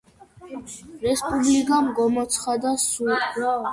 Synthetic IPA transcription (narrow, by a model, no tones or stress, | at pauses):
ɾɛspʼublikʼamɡɔmɔt̪sʰχad̪asu